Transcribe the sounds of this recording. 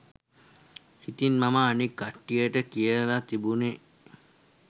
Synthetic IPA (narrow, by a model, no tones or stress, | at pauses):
hit̪inmamaːnikːaʈːijəʈəkijəlat̪ibune